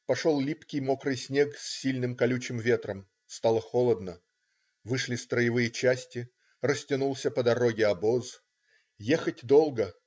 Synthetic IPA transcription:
pɐʂo̞lˠlʲipkʲɪjmo̞kɾɨjsʲnʲeksʲːilʲnɨmkɐlʲʉt͡ɕɪmvʲe̞t̪ɾəm | st̪ɑlˠəxo̞lˠəd̪nə | vɨʂlʲɪst̪ɾəjɪvɨjət͡ɕæsʲtʲɪ | rəsʲtʲɪnulˠsʲəpəd̪ɐɾo̞ɡʲɪɐbo̞z | jexətʲd̪o̞lˠɡə

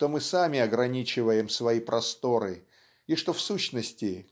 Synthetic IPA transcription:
t̪o̞mɨsamʲɪɐɡɾɐnʲit͡ɕɪvəjɪmsvɐipɾʔɐst̪o̞ɾɨ | iʂt̪o̞fsuɕnəsʲtʲɪ

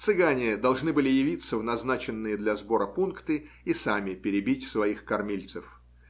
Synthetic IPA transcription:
t̪sɨɡanʲɪd̪ɐlˠʐnɨbɨlʲɪjɪvʲit̪səvnɐznat͡ɕɪnːɨjəd̪lʲɐzbo̞ɾəpunkt̪ɨisamʲɪpʲɪɾʲɪbʲitʲsvɐixkɐrmʲilʲt̪sɨf

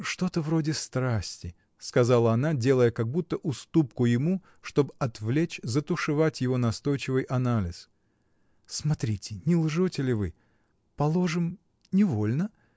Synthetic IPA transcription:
ʂt̪o̞t̪əvro̞dʲɪst̪ɾasʲtʲɪ | skɐzalˠəɐnadʲe̞lˠəjəkɐɡ̚but̪ːəʔʊst̪up̚kʊjɪmu | ʂt̪o̞bɐt̪vlʲet͡ɕzət̪ʊʂɨvatʲjɪvo̞nɐst̪o̞jt͡ɕɪvɨjʔɐnalʲɪs | smɐt̪ɾʲitʲɪnʲɪlˠʐotʲɪlʲɪvɨ | pɐlˠo̞ʐɨm | nʲɪvo̞lʲnə

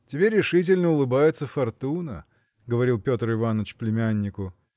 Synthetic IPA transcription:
tʲɪbʲeɾʲːɪʂɨt̬ʲɪlʲnəʊlˠɨbajɪt̪səfɐrt̪unə̰ | ɡəvɐɾʲilˠpʲo̞t̪rɨvanːət͡ɕplʲɪmʲænʲːɪkʊ

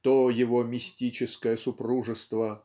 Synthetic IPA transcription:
t̪ojɪvomʲɪsʲtʲit͡ɕɪskəjəsʊpɾuʐɨst̪və

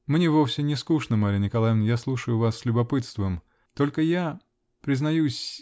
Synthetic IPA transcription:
mnʲevofsʲɪnʲɪskuʂnəmaɾʲɪnʲɪkɐlˠajɪvnjaslˠuʂəjʊvasːʲlʲʊbɐpɨt̪st̪vəm | t̪o̞lʲkəja | pɾʲɪznɐjusʲ

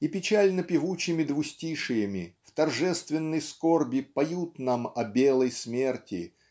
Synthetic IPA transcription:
ipʲɪt͡ɕalʲnəpʲɪvut͡ɕɪmʲɪd̪vʊsʲtʲiʂɨjəmʲɪft̪ɐrʐɛst̪vʲɪnːɨjskorbʲɪpɐjut̪namɐbʲelˠəjsmʲe̞rtʲɪ̰

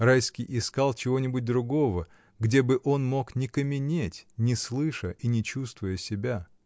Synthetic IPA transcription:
rajskʲɪjʔɪskalˠt͡ɕɪvo̞nʲɪbʊt̚ʲd̪ɾʊɡo̞və | ɡdʲebɨʔo̞nmo̞knʲɪkəmʲɪnʲetʲnʲɪslˠɨʂəʔinʲɪt͡ɕust̪vʊjəsʲɪbʲa

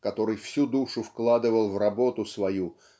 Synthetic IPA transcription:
kɐt̪o̞ɾɨjfsʲud̪uʂʊfklˠad̪ɨvəlˠvrɐbo̞t̪ʊsvɐju

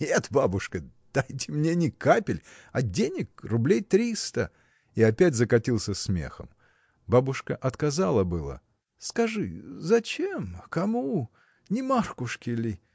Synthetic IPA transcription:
et̪babʊʂkəd̪̥ajt̬ʲɪmnʲenʲɪkapʲɪlʲ | ɐdʲenʲɪkrʊblʲejt̪ɾʲist̪ə | iɐpʲætʲzəkɐtʲilˠsʲəsmʲe̞̰xə̰m | babʊʂkəʔɐt̪kɐzalˠəbɨlˠə̰ | skɐʐɨ̰zɐt͡ɕemkɐmu | nʲɪmarkʊʂkʲɪlʲɪ

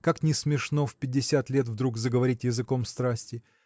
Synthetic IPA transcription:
kaknʲɪsmʲɪʂno̞fʲpʲɪdʲːɪsʲat̪lʲet̪̬vd̪ɾukzəɡəvɐɾʲitʲjɪzɨko̞mst̪ɾasʲtʲɪ

